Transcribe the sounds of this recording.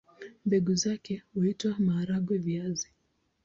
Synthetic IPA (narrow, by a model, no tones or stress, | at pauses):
mbɛɡuzakɛhuitwamaːɾaɡwɛviazi